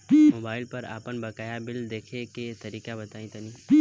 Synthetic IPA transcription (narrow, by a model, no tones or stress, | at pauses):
moːbaːɪlpəɾa̰ːpənbɐkaːjabɪld̪eːkʰeket̪əɾiːkabɐt̪aːĩt̪əniː